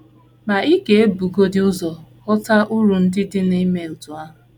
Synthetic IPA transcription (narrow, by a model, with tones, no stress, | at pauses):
ma˨i˦ke˨e˦bu˨ɡo˦dɪ˦ʊ˦zɔ˨kɔ˦ta˦ʔu˦ɾu˨n̩˦dɪ˦dɪ˦ni˦me˨u˨tu˨a˦ɦʊ˨